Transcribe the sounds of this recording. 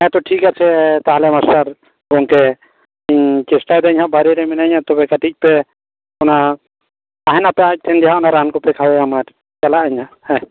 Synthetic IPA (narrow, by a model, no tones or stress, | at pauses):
ɛ̃t̪ɔʈʰikat͡ʃʰɛt̪aɦalɛmasaɾ | ɡɔŋkɛ | iɲkɛsʈad̪ɲhabaɾɛɾɛminaɲat̪ɔbɛkaʈic̚ˀpɛ | ɔnaː | ɦɛnapɛac̚ʈ̪ʰɛnd̪ɛɦaɔnaɾankɔpɛkʰawɛamaɾ | t͡ʃalaʔaɲhahɛ